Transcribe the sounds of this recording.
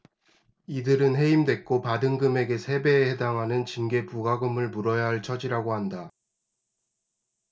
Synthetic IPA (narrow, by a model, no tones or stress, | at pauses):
idɯɾɯnɦe̞imdwe̞k̚k͈opadɯŋɡɯme̞ɡe̞sʰe̞be̞ːhe̞daŋɦanɯnt͡ɕinɡe̞puɡaɡɯmɯɭmuɾʌjaɦaɭt͡ɕʰʌd͡ʑiɾaɡoɦanda